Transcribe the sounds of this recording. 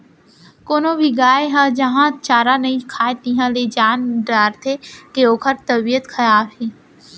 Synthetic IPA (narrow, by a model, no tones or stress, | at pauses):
koːnobʱiɡaːeɦãd͡ʒɐɦãt͡ʃaːɾanɐĩkʰaːet̪ĩːɦãled͡ʒaːnɖaːɾt̪ʰekeoːkʰəɾt̪ɐbijət̪kʰɐɾaːbɦeː